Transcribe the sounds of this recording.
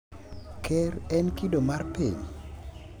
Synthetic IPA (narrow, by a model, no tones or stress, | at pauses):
kʰɛɾɛnkidomarpḭɲ